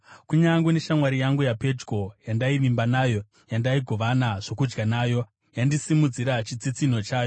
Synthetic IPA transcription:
kuɲaŋɡune̞ʃamwaɾijaŋɡujape̞d͡ʒɡo̞jandaiʋimbanaːjo̞ | jandaiɡʱo̞ʋanaʐ̥o̞kud͡ʒɡanaːjo̞ | jandisimud͡ziɾat͡ʃit͡sit͡sino̞t͡ʃaːjo̞

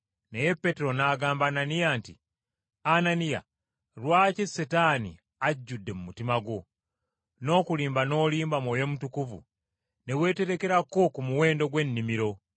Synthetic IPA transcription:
neje̞pːe̞teɾo̞naːɡaːmbaːnanijantḭ | ananija̰ | ɾwaːcesetaːnḭ | aɟːudːe̞mumutimaɡo̞ | no̞ːkuliːmbano̞ːliːmbamoːjo̞mutukuvṵ | newe̞ːte̞ɾe̞ke̞ɾako̞kumuwe̞ːndo̞ɡwe̞nːimiɾo̞

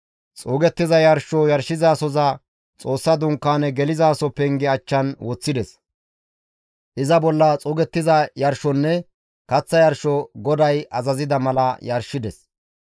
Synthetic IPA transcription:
t͡sʼoːɡɛt̪ːɪzɐjɐɾʃɔjɐɾʃɪzaːsɔzɐ | t͡sʼo̞ːsːɐd̪ʊŋkːaːnɛɡɛlɪzaːsɔpːɛŋɡɪɐt͡ʃːɐnwɔt͡sːɪd̪ɛs | ʔɪzɐbɔlːɐt͡sʼɔːɡɛt̪ːɪzɐjɐɾʃɔnːɛ | kɐt͡sːɐjɐɾʃɔɡɔd̪ɐjʔɐzɐzɪd̪ɐmɐlɐjɐɾʃɪd̪ɛs

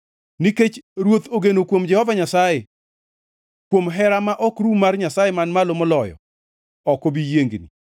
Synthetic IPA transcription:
niket͡ʃɾwot̪oɡenokwomd͡ʒɛhɔvaɲasaje | kwomɦɛɾamaʔɔkɾumarɲasajemanmalomɔlɔjɔ̰ | ɔkobijeŋɡnḭ

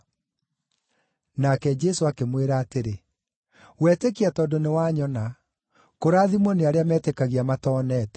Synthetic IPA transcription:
nakɛd͡ʒɛsoakemweɾaːteɾe | wɛːtekiatɔdonewaɲɔna | koɾaːðimwɔneaɾeamɛtekaɣiamatɔːnɛːtɛ̥

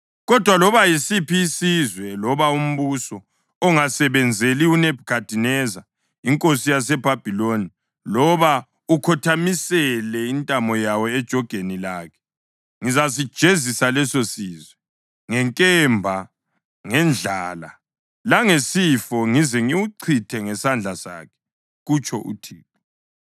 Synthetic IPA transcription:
ɣɔd̥ʱwalɔβajisipiːsizwɛlɔβaum̩βusɔ | ɔŋasɛβɛnd͡zʱeliunɛb̥ʱkʰad̥ʱinɛza | iŋkʼosijas̬ɛb̥ʱab̥ʱiloni | lɔβa | ukʰɔtʰamisɛlɛintʼamɔjawɔɛd̥ʒ̥ʱɔɡ̥ʱenilaːkʰɛ̥ | ŋizas̬id̥ʒ̥ʱezisalɛsosiːzwɛ | ŋɛŋkʼɛmbʱa | ŋɛnd͡ɮʱaːla̰ | laŋesifɔŋizɛŋiwuǀʰitʰɛŋɛsand͡ɮʱasa̰ːkʰɛ̥ | ɣut͡ʃʰʼɔʔṵtʰiːp̚ɔ

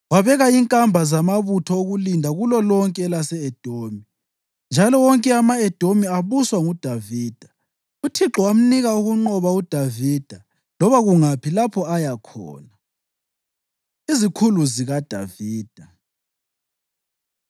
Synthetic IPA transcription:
waβɛɣaiŋkʼambʱazamaβutʰɔoɣulindʱaɣulɔlɔŋkʼɛɛlasɛɛd̥ʱomi | nd͡ʒʱalɔwɔŋkʼɛamaɛd̥ʱomiaβuswaŋud̥ʱaviːd̥ʱḁ | utʰiǁɔwam̩niɣauɣuŋ͡ǃɔβaud̥ʱaviːd̥ʱa | lɔβaɣuŋapʰilapʰɔajakʰɔ̰ːna | izikʰuluziɣad̥ʱa̰viːd̥ʱa

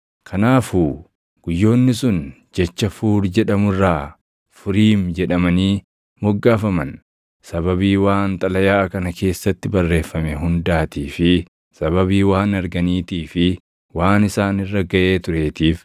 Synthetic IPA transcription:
kʰɐnaːfuː | ɡ̥ʊjːo̞ːnːɪsʊn | d͡ʒɛt͡ʃːɐfuːɾd͡ʒɛᶑɐmʊrːaː | fʊɾiːmd͡ʒɛᶑɐmɐniː | mɔɡːaːfɐmɐn | sɐβɐβiːwaːnt̪ʼɐlɐjaːkɐnɐkʰe̞ːsːɐt̪ːɪbɐrːe̞ːfːɐmɛɦʊnd̪aːt̪iːfɪ | sɐβɐβiːwaːnɐɾɡɐniːt̪iːfɪ | waːnɪsaːnɪrːɐɡɐʔe̞ːt̪ʊɾe̞ːt̪iːf

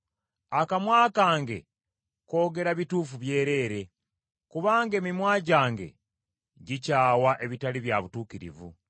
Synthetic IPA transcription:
akamwaːkaːŋɡe̞̰ | ko̞ːɡe̞ɾaβituːfuβje̞ːɾe̞ːɾe̞ | kuβaːŋɡe̞mimwaːɟaːŋɡe̞̰ | ɟicaːwaʔe̞βitaliβjaβutuːkiɾḭvṵ

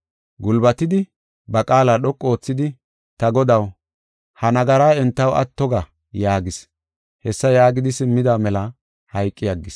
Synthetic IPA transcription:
ɡʊlbɐt̪ɪd̪ɪ | bɐkʼaːlaːɗɔkʼːo̞ːt͡sːɪd̪ɪ | t̪ɐɡɔd̪ɐw | hɐnɐɡɐɾaːɛnt̪ːɐwʔɐ̰t̪ːɔɡɐ | jaːɡɪs | hɛsːɐjaːɡɪd̪ɪsɪmːɪd̪aːmɛlɐ | hɐjkʼːɪjɐɡːɪs

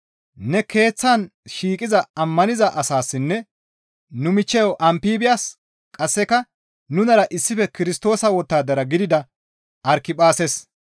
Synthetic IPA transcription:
nɛke̞ːt͡sːaːnʃiːkʼɪzɐɐmːɐnɪzɐʔɐsaːsːɪnːɛ | nʊmɪt͡ʃːɛjɔʔɐmpiːbɪjaːs | kʼɐsːɛkɐ | nʊnɐɾɐʔɪsːɪfɛkɪɾɪst̪o̞ːsɐwɔt̪ːaːd̪ɐɾɐɡɪd̪ɪd̪ɐ | ʔɐɾkɪpʼaːses

